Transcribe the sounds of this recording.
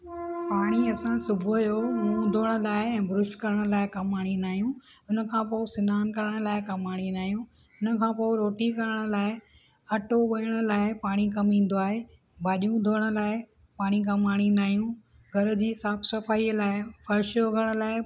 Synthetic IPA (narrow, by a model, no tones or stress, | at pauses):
paːɽ̃iɐsãsʊbʱojoːmũːd̪ʱoːəɽ̃ʊ̆laːɪɛ̃ːbʱɾʊʃkɐɾəɽ̃laːɪkɐmaːɽ̃inaːɦijũʊnə̆kʰãːpoːɪsɪnaːnkɐɾəɽ̃̆laːɪkɐmaːɽ̃ĩnaːɦijũ | ʊnə̆kʰãːpoːɪɾoːʈikɐɾəɽ̃ʊ̆laːɪ | ɐʈoʋɐɪɽ̃ʊlaːɪpaːɽ̃ikɐmĩːn̆d̪oaːɦeː | bʱaːʄjũd̪ʱoːəɽ̃ʊ̆laːɪ | paːɽ̃ikɐmaːɽ̃ĩnaːɦijũ | ɡʱɐɾʊ̆d͡ʑiːsaːbsɐfaːiːlaːɪfɐɾʃjoɡʱɐɾəɽ̃ʊ̆laːɪ